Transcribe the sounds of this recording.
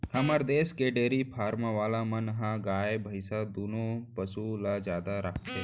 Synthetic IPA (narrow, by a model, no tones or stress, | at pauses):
hɐməɾd̪eːskeɖeːɾipʰaːɾmaʋaːlamənɦãɡaːebʱəɪsad̪uːnõpəsulad͡ʒjaːd̪aɾakʰt̪e